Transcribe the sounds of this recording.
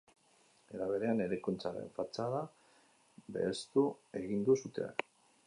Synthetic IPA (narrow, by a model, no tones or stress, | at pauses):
e̞ɾaβ̞e̞ɾe̞ane̞ɾe̞kont͡saɾe̞̰ɱfat͡saða | be̞̰ːst̪ue̞ɣind̪usut̪e̞̰